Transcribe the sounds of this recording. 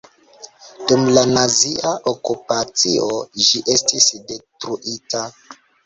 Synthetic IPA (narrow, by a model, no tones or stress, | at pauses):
d̥umlanaziaʔokupat͡siʔoʒiʔe̞stisde̞tɾuʔita